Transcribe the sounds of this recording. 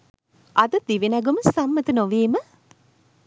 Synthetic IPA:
ʔɐd̪ɐd̪iʋinɐɡuməsɐmːɐt̪ənoʋeːmə

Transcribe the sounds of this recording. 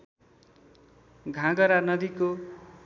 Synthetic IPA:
ɡʱãɡʌɾanʌd̪iko

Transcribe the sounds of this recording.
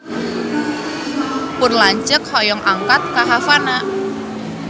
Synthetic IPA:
pʊnlaɲt͡ʃək̚hɔjɔŋʔaŋkat̪̚kaɦafanaʔ

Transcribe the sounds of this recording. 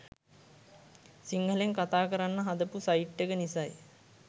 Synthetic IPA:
siŋɡəleŋkat̪aːkəɾanːəɦad̪əpusaiʈːekənisaj

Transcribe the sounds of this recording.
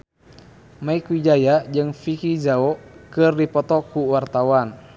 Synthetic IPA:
maikwid͡ʒajad͡ʒɨŋfikid͡ʒaɔkɨrdipɔt̪ɔkuwart̪awan

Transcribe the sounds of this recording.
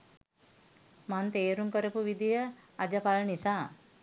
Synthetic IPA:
mant̪eːɾuŋkəɾəpuʋid̪ijəad͡ʒəpalənisaː

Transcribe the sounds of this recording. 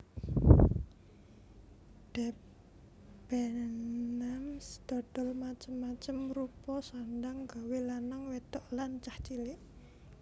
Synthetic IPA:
d̥ɛp̚ | b̥ɛnamsd̪̥ɔ̤d̥ɔ̤lmat͡ʃəmːat͡ʃəmrupɔsandaŋɡawelanaŋwet̪ɔʔlant͡ʃaht͡ʃilɪʔ

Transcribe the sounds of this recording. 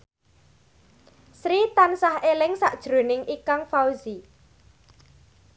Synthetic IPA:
sɾit̪ansahelɪŋsaʔd̥ʒ̥ɾo̤nɪŋikaŋfauzi

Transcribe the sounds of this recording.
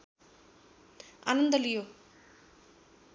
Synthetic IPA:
a̰nɐnd̪ɐlijo

